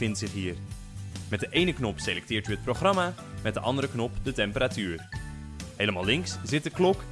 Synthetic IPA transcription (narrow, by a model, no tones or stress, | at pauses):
ɪntsɪχɦiːr | mɛtdəʔejnəknɔpselɛk̚tɪːɹtyət̚proχrɑma | mɛt̚dəʔɑndəɾəknɔpdətɛmpəɾatyːɹ | ɦejləmalˠɪŋkszɪt̚dəklɔk